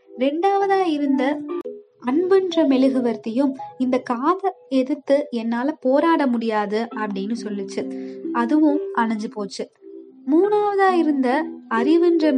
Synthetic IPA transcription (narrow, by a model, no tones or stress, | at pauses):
ɾɛɳɖaːʋɐðaːɪɾɯnd̪ɐ | ɐɳbɯndrɐmɛlɯɣɯʋɐɾt̪ɐjɯmɪnd̪ɐkaːðɐɛðɯt̪ːɯɛnːaːlɐpoːɾaːɽɐmʊɽɪjaːðɯɐpːɐɽɪnːɯsɔlːɪt͡ʃːɯɐðɯʋʊ̃ʔɐɳɐɲd͡ʒɯpoːt͡ʃːɯ | muːnaːʋɐðaːɪɾɯnd̪ɐɐɾɪʋɯndrɐ